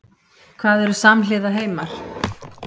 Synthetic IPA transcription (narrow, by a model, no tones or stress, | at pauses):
kʰvaːðɛɾʏsamlɪːðaɦeːjmaɾ̥